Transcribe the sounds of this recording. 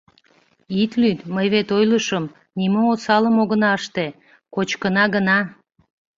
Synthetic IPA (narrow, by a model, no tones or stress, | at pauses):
it̪lyt̪məjβet̪ojləʃəm | nimoosɑləmoɣənɑəʃt̪e | kot͡ɕkənɑɣənɑ